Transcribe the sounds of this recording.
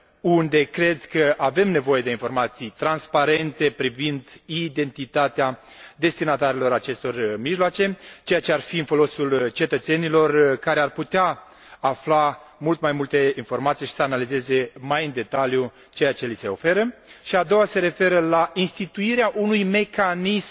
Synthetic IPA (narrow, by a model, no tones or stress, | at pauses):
und̪e̞kɾe̞d̪kəʔave̞mne̞vo̞je̞d̪e̞info̞rmat̪sijt̪ɾanspaɾe̞nt̪e̞pɾivind̪id̪e̞nt̪it̪at̪ea | d̪e̞st̪inat̪aɾelo̞ɾat͡ʃe̞st̪o̞rmiʒloat͡ʃe̞t͡ʃe̞jat͡ʃe̞arfiɨnfo̞lo̞sult͡ʃe̞t̪ət̪se̞nilo̞rkaɾe̞arput̪eaː | fla | mult̪majmult̪e̞info̞rmat̪sijʃi̥səanalize̞ze̞majɨnd̪e̞t̪alju | t͡ʃe̞jat͡ʃe̞lise̞o̞̰fe̞ɾəʃiad̪o̞wase̞ɾe̞fe̞ɾəlainst̪it̪uiɾeaʔunujme̞kanism